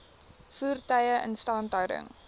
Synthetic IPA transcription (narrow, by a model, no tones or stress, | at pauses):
fuːrtɐjəʔə̰nstɑːntœwdə̰ŋ